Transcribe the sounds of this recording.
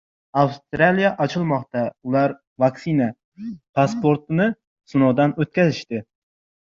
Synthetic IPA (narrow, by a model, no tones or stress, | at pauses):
awst̪ɾalijaʔɒt͡ʃʰɪlˠmɒqt̪aʊlˠaɾ | vaksina | pʰaspoɾt̪ɪnɪ | sʊnɒwd̪anɵt̪̚kʲazɪʃt̪ɪ